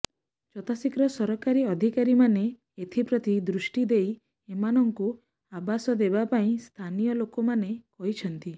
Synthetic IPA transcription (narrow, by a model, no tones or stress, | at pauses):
t͡ʃɔt̪asikɾɔsɔɾɔkaɾiɔd̪ʱikaɾimane | et̪ʰipɾɔt̪id̪ɾusʈid̪ej | emanɔŋku | abasɔd̪ebapaĩst̪ʰanijɔlokɔmanekɔɦit͡ʃʰɔnt̪i